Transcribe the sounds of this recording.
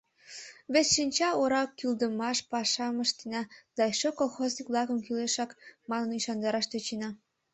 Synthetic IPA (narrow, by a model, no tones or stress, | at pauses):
βesʃinʲt͡ɕɑoɾɑkːyld̪əmɑʃpɑʃɑməʃt̪enɑd̪̥ɑʃokolˠxoznikβlˠɑkəmkyleʃɑkmɑnəniʃɑnd̪ɑɾɑʃt̪øt͡ɕenɑ